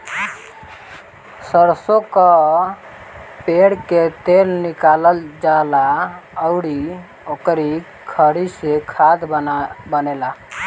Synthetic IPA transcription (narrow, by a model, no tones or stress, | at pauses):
səɾsokə | peɽket̪elnikaləld͡ʒalaəʊɽi | okɾi | kʰəɽisekʰad̪bənela